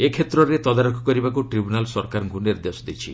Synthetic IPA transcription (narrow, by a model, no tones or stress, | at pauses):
ekʰet̪ɾɔɾet̪ɔd̪aɾokʰɔkɔɾibakuʈɾibunalsɔɾkaɾɡuniɾd̪esɔd̪it͡ʃʰḭ